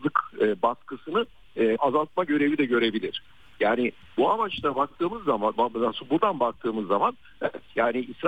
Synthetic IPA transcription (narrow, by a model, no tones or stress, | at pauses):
ɯkɯbaskʰɯsɯnɯː | azalˠt̪̚maɟø̞ɾe̞vid̪ɛɟø̞ɾe̞bilʲiɾ̝̥ | jaːnɪ | buamat͡ʃt̪ʰabak̚t̪ʰɯːmɯzːamanbaasbud̪anbak̚t̪ʰɯːmɯzːaman | ɛɛt̪jaːniʔisɾ